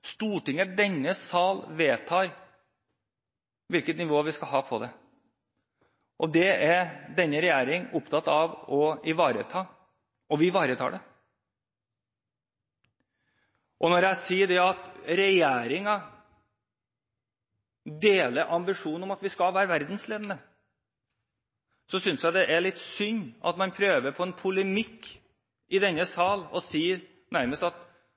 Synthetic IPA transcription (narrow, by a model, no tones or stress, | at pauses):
st̪uːʈɪŋːəd̪ɛnːəsɑlʋeːt̪ʰɑːɾ | ʋɪlkət̪nɪʋoːʋɪskɑlɦɑːpʰɔd̪ɛ | ʔɔd̪ɛæɾɖ̪ɛnːəɾɛjæːɾɪŋʊpt̪ʰɑt̪ːɑʋɔɪʋɑːɾə̰t̪ʰɑː | ʔɔʋɪʋɑːɾət̪ʰɑ̰ːɖɛ | ʔɔnɔɾjæɪsiːɖɛɑt̪ɾɛjeːɾɪŋɑ | d̪eːləɾʔɑmbɪʂuːnɔmɑt̪ʋɪskɑlʋæːɾəʋæɾd̪n̩sleːd̪ənə | sɔsʏnsjæɪd̪ɛʔæɭɪt̪ːsʏɲːɑ̰t̪mɑnpʰɾøːʋəɾpʰɔɛnpʰʊləmɪkː | ɪd̪ɛnːəsɑːlɔ̰siː | næɾməst̪ɑt̪